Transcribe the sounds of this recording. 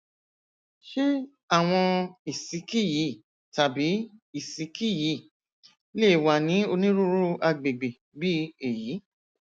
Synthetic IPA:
ʃe˦ | a˦˨w̃ɔ̃˧i˨si˨˦ki˦˨ji˨˦˨ | ta˨bi˨˦i˨si˨˦ki˦˨ji˨˦˨ | le˦˨wa˨nĩ˨˦o˧nĩ˦ɾu˦ɾu˦a˧ɡ͡be˨ɡ͡be˨ | bi˦e˨ji˨˦

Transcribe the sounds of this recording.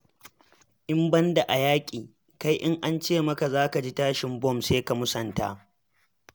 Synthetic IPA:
ʔɪ˦mbɐ˦nda˨ʔa˨jaː˦kʲʼiː˨ | ka˦jʔɪ˦ŋʔa˦nt͡ʃeː˦˨mɐ˦ka˨zaː˦ka˨d͡ʒi˦taː˦ʃɪ˨mbɔ˦˨mseː˦ka˨mʊ˦sɐ˨nta̰˦ʔ

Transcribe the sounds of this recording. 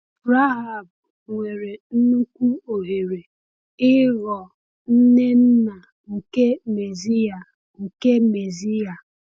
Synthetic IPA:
ɾa˦ɦa˦˨b | ŋʷe˨ɾe˨n̩˦nu˦kʷu˦o˨ɦe˨ɾe˨ | ɪ˦ɣɔ˨ | n̩˦ne˦n̩˦na˨ | ŋ̩˨ke˦me˨zi˦a˨ | ŋ̩˨ke˦me˨zi˦ja˨

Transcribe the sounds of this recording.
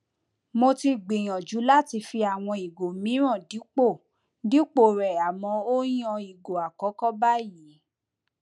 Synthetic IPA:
mo˧ti˧ɡ͡bi˨j̃ɔ̃˨d͡ʒu˨˦la˦ti˧fi˧a˨w̃ɔ̃˧i˨ɡo˨mĩ˨˦ɾ̃ɔ̃˦˨di˨˦k͡po˦˨ | di˦k͡po˨ɾɛ˨a˨mɔ̃˧o˦j̃ɔ̃˧i˨ɡo˨a˨kɔ˨˦kɔ˦ba˦ji˨˦

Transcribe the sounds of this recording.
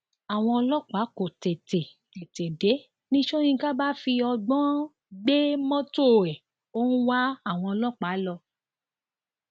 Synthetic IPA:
a˨w̃ɔ̃˧ɔ˧lɔ˦k͡pa˨˦ko˨te˨te˨ | te˨te˨de˨˦ | nĩ˦ʃo˦ñĩ˧˦ɡa˦ba˦fi˧ɔ˧ɡ͡bɔ̃˦ | ɡ͡be˦mɔ̃˦to˦˨ɛ˨ | o˦ñ̩˦wa˦a˦˨w̃ɔ̃˧ɔ˧lɔ˦k͡pa˨˦lɔ˧

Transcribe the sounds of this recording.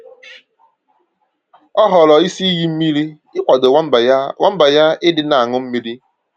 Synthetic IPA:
ɔ˦ɦɔ˨lɔ˨i˦si˦i˦ɣi˦m̩˦mi˦ɾi˦ | ɪ˦kʷa˨do˨˦wa˦m̩˦ba˨ja˦ɪ˦dɪ˨na˨a˨ŋʊ˦m̩˦mi˦ɾi˦

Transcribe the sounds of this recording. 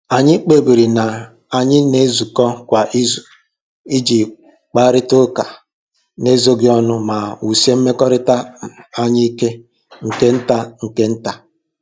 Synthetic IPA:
a˨ɲɪ˦k͡pe˨bi˨ɾi˨na˨ | a˨ɲɪ˦ne˦zu˨kɔ˦kʷa˨ʔi˦zu˨ | i˦d͡ʒi˨ | k͡pa˦ɾɪ˦tʊ˦ka˨ | ne˦zo˦ɡɪ˦ɔ˦nʊ˦ma˨u˨si˦e˦m̩˦me˦kɔ˦ɾɪ˦ta˦˨a˦ɲɪ˦i˦ke˦ | ŋ̩˨ke˦n̩˦ta˦ŋ̩˨ke˦n̩˦ta˦

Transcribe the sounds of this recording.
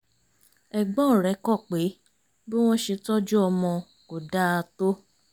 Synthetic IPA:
ɛ˨ɡ͡bɔ̃˦˨ɾɛ˨˦kɔ˦˨k͡pe˨˦ | be˦w̃ɔ̃˦ʃe˧tɔ˦d͡ʒu˦ɔ˧mɔ̃˧ | ko˨da˦a˧to˦

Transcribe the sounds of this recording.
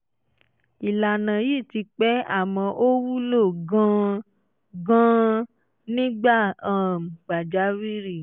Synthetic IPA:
i˨la˨nã˨jiː˦˨ti˧k͡pɛ˦a̰˦˨mɔ̃˧ʔo˦wu˦lo˦˨ɡã˦ | ɡã˦ | nĩ˦ɡ͡ba˦˨ã˨m̩˨ɡ͡ba˨d͡ʒa˨˦wi˦ɾi˦˨

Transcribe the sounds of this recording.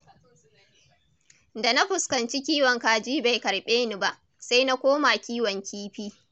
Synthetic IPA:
da˨na˦ɸʊ˨skɐ˨nt͡ʃi˦kʲiː˦wɐ˨ŋkaː˨d͡ʒiː˦ba˨jkɐ˨ɽɓeː˦ni˨ba˨ʔ | sa˦jna˦kʷoː˦maː˨kʲiː˦wɐ˨ŋkʲiː˦ɸiː˦

